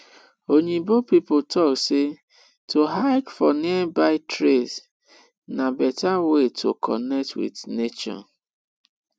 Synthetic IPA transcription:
oɲebopipotʰɔkse | toɦaɪkfɔniɛbaɪtɾez | nabɛtawetʰo̰kʰɔ̰nɛk̚twḭdnet͡ʃɔ̰n

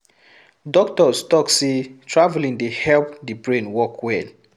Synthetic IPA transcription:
dɔk̚tɔstɔksitʰɹavlĩŋdehɛlpdibɹẽnwɔkʰwɛd

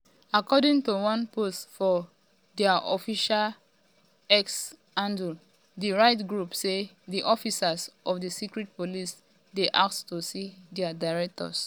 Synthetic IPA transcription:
akɔdĩŋtuwɔ̃npostfɔ | dɛaʔɔ̰fiʃal | ɛks | ãndu | diɹaɪtɡɹupse | diʔɔfisasʔɔfdəsikɹɛt̚polis | deʔak̚ttosidɛadaɪɹɛk̚tɔ̰s

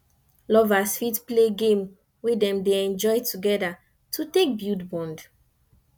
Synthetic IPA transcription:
lɔvasfitpleɡẽm | wedɛ̃mdeɛ̃nd͡ʒɔjtʰuɡɛda | tʰutek̚bjudbɔ̃nd

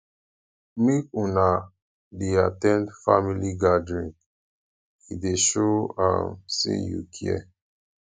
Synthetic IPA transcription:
mikũna | deatɛ̃ndfamiliɡadɹĩŋ | ideʃoã̰msḭ̃njṵkʰiɛ̰

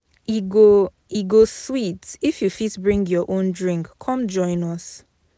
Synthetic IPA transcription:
iɡo | iɡoswitifjufitbɹĩŋɡjɔʔõndɹĩŋkʰːɔ̃md͡ʒɔ̃ɪ̃nɔs

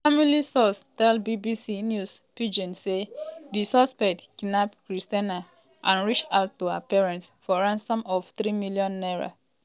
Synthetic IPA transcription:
familisɔstɛlbibisinjuspid͡ʒɔ̃nsedisɔspɛk̚tkinapkɹistana | ʔãnɹit͡ʃaʊtːua̰pɛɹɛ̃ntsfɔɹãnsɔ̃mɔftɹimiljɔ̃nːɛɹa̰

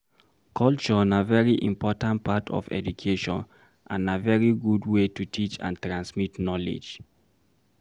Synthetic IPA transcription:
kʰɔlt͡ʃɔnavɛɹiʔḭ̃mpʰɔtãnt̚patʰɔ̰vɛ̰dukʰeʃɔ̰̃n | ʔãnavɛɹiɡudwetutʰit͡ʃã̰ntɹãnsmitnɔlḛd͡ʒ

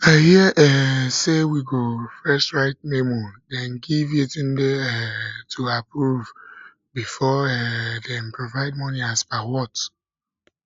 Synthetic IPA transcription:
ahiəʔɛsewiɡofɛsɹaɪt̚memodɛnɡivitĩn̩deɛtʰuapɾuv | bifɔɛdɛ̃m̩pɾovaɪd̚mɔniasbaɪwɔt

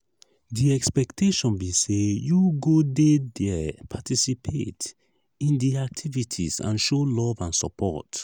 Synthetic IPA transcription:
diɛkspɛktʰeʃɔ̃nbisejuɡodedɛpʰatisipʰet | ĩndiak̚tʰivitʰizã̰nʃolɔvãnsɔpʰɔ̰t

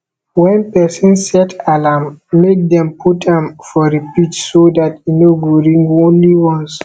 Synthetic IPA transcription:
wɛ̃npɛsɔ̃nsɛtʰalamːek̚dɛ̃mpʰutʰãmfɔɹipit͡ʃsodatinoɡuɹĩŋɡõnliwɔ̃ns

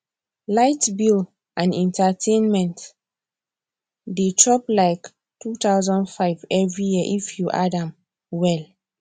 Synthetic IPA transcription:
laɪtbil | ʔãnɛ̃ntʰatʰẽnmɛ̃nt | detʰɹɔplaɪk | tʰut̪aʊzɔ̃ndfaɪvɛvɹijiəʔifjuʔadãm | wɛl

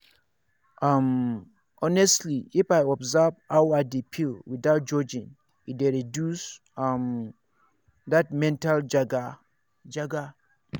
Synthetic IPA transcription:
ʔam | ɔnɛstliifaɪɔbzavawadipʰilwiðaʊt̚d͡ʒɔd͡ʒĩn | ideɹidjus | m | dat̚mɛ̃ntald͡ʒɡ | d͡ʒaɡa

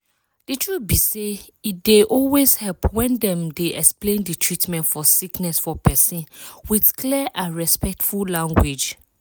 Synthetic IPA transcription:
d̥itʰɹubise | it̚deʔɔlwezhɛlpwɛ̃ndɛ̃mdeʔɛ̰ksplẽndɨtʰɹitmɛ̃ntfɔsiknɛsfɔpʰɛsĩnwidkliʔãɹɛspɛk̚tfullãŋɡwed͡ʒ

